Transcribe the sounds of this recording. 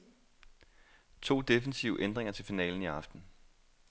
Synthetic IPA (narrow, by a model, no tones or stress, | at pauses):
t͡sʰo̝̰ːd̥e̝fən̩siʊəʔend̥ʁeŋɐt͡sʰe̝lfinɛ̰ːln̩iɑ̈fd̥n̩